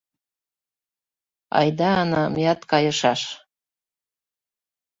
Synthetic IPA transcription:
ɑ̰jd̪ɑːnɑmjɑt̪kɑjɤ̆ʃɑʃ

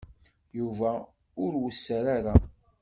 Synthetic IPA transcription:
juvæ | ʊɾwəsːəɾaɾa

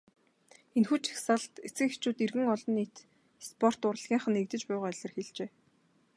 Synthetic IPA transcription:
enxut͡ɕʰi̥xsaɮt̪et͡sɘ̆xext͡ɕuːt̪erɣɘ̆ŋɔɮɞ̆nːiːt̪ | spʰɔr̥t̪ʊr̆ɮɣ̥ʲiːɴχə̆nekt̪ɘ̆t͡ɕpæːʁɔːœɮʲɞ̆rxiɮt͡ɕeː

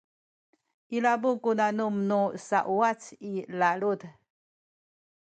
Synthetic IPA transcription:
ʔilabukunanumnusaʔuat͡silalud

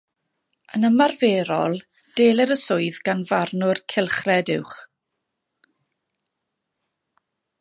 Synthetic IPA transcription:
ənəmarveːɾɔlˠ | d̥eːlˠəɾəsʊɨðɡanvarnʊrkʰɪlˠχrɛdɪwχ

